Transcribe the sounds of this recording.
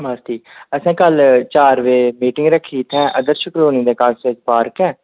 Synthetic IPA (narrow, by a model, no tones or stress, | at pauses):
maːst̪iːəsãːkəlt͡ʃaːɾʋeːmiːʈɪŋɡɾəkʰːiːt̪ʰɛ̃ːʔəd̪əɾʃəkɾoːniːd̪eːkaːseːsbaːɾkɛ̃ː